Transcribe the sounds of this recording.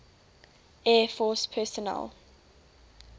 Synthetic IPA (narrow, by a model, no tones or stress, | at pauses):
ɛːfɔspʰɛsɔnɛ̰l